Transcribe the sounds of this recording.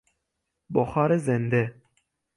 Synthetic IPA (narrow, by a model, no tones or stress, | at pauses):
boxɑːɾɛzɛnd̪ɛ